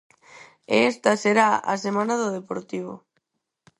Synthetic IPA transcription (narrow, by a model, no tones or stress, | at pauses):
ḛest̪aseɾaa̰semãnaðoðepoɾt̪iβ̞o̰